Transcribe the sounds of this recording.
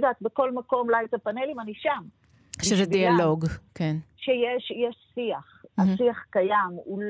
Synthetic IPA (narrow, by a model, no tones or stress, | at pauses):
d̪aːt̪̚beko̞lmako̞mlajtapanelimaniʃam | ʃezɛdialo̞ɡkenʃejeʃjeʃsiaχasiaχkajamul